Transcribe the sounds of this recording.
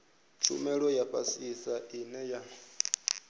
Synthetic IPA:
t͡ʃʰṵmɛɺɔjaɸʰʼa̰sisaʔinɛja

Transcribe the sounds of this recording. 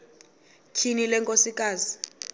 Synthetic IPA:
kʰinilɛŋkʼosikʼaːzi

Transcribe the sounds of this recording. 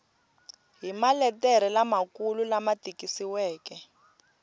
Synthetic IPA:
ɦimalɛtɛɾɛlamakululamatikisiwɛːkɛ

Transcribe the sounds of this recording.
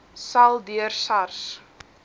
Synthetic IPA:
sɐlˠdyərsɐrs

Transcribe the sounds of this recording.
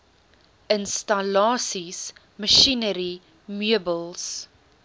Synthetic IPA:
ʔənstɐlɑːsis | məʃinəɾi | myəbəlˠs

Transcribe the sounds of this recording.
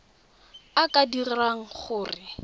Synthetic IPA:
akʼadirraŋ̩χʊːrɪ

